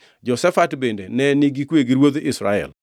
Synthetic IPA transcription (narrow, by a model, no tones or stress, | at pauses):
d͡ʒɔsɛfatbendenɛniɡikweɡiɾwod̪ɪsɾa̰ɛ̰l